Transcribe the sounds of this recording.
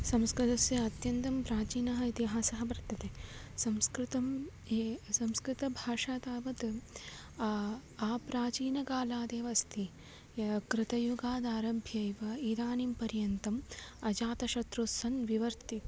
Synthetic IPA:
sɐmskɾɪt̪ɐsjɐɐt̪jɐnt̪ɐmpɾaːt͡ʃiːnɐɦɐit̪iɦaːsɐɦɐbɐɾt̪ːɐt̪esɐmskɾɪt̪ɐm | esɐmskɾɪt̪ɐbʱaːʂaːt̪aːʋɐt̪ | aːpɾaːt͡ʃiːnɐkaːlaːd̪eːʋɐst̪ʰi | kɾɪt̪ɐjuɡaːd̪aːɾɐbʱjɐiʋɐid̪aːnimpɐɾjɐnt̪ɐmɐd͡ʒaːt̪ɐʃɐt̪ɾosɐnʋiʋɐɾt̪i

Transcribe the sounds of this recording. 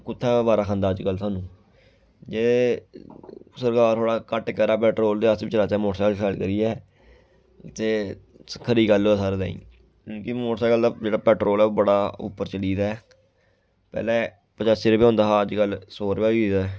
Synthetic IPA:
kʊt̪ʰːɛ̃ːbaːɾaːkʰãːnd̪aːəd͡ʒkəlsaːnũː | d͡ʒeː | səɾkaːɾt̪ʰoːɽaːkəʈːkɛɾaːpɛːʈɾoːld̪eːəst̪bɪt͡ʃəlaːt͡ʃɛːmoːʈsɛːkəlfʰɛːlkəɾiːɛː | t̪eː | kʰəɾiːɡəlːsaːɾd̪ã̰ːḭ̃ː | ũːkɪmoːʈsaːkəld̪aːd͡ʒeːɽaːpɛːʈɾoːlɛːoːbəɽaːʊ̰pːəɾt͡ʃəliːd̪ɛː | pɛ̰ːlɛ̃ː | pət͡ʃasɪɾbiːõːnd̪aːəd͡ʒkəlsoːɾbaːʋiːd̪a

